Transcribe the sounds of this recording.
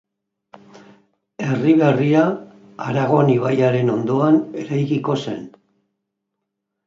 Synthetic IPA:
e̞riβ̞e̞ria | aɾaɣo̞niβ̞ajaɾe̞no̞nd̪o̞ane̞ɾajkiko̞se̞̰n

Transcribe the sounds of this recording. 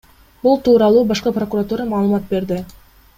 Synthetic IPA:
bulˠt̪uːɾɑlˠuːbɑʃqɑpro̞kuɾat̪uːɾɑmɑːlˠɯmɑt̪̚be̞ɾd̪ɪ

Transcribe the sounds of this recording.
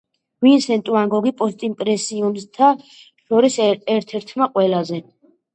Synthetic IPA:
vinsɛnt̪ʼuaŋɡɔɡipʼɔst̪ʼimpʼɾɛsiumst̪ʰa | ʃɔɾisɛɾt̪ʰɛɾt̪ʰmaqʼwɛlazɛ

